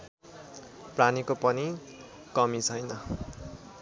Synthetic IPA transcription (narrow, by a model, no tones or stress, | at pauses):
pranikopʌni | kʌmit͡sʰʌjnʌ